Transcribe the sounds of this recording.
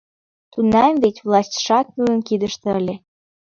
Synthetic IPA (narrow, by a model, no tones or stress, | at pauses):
t̪unːɑmvetʲvlˠɑsʲtʲʃɑk̚mujənkid̪əʃt̪ĕəlʲe